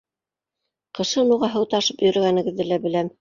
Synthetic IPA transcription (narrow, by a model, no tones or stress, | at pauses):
qɤ̆ʃɤnuʁɑɦɤ̆wt̪ɑʃɤpjɵ̆ɾɘ̆ɡænɘ̆ɡɘ̆ðːɘlæbɘ̆læm